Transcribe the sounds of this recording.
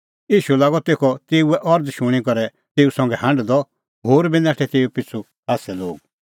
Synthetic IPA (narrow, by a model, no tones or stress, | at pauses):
iːʃulaːɡɔt̪eːkʰɔt̪eːuɛʔɔɾd̪ʃʊɽ̃ikɔɾɛ | t̪eːusɐ̃ŋɡɛɦɐ̃ɳɖd̪ɔ | ɦoːɾbinãːʈʰɛt̪eːupɪt͡sʰu | aːsɛloːɡ